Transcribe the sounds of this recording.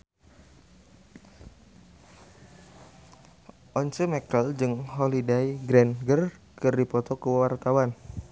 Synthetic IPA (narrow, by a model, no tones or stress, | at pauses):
ʔɔnt͡ʃəmɛkəld͡ʒɨŋɦɔlidajɡɾɛnɡərkɨrdipɔt̪ɔkəwart̪awan